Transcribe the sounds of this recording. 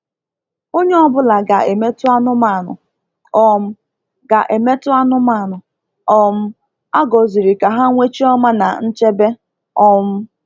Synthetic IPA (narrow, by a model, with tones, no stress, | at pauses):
o˦ɲe˦ɔ˦bʊ˦la˨ɡa˨e˨me˦tʊ˦a˦nʊ˦ma˦˨nʊ̰˨ | ɔ˦m̩˦ | ɡa˨ʔe˨me˦tʊ˦a˦nʊ˦ma˦˨nʊ˨ | ɔ˦m̩˦ | a˦ɡɔ˨zi˨ɾi˨ka˨ɦa˦ŋʷe˦t͡ʃi˦ɔ˦ma˦na˨n̩˦t͡ʃe˦be˦ | ɔ˦m̩˦